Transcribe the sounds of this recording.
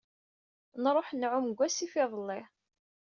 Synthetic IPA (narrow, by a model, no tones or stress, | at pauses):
nɾˤoħnʕʊmɡʷːæsifɪðˤəlːɪ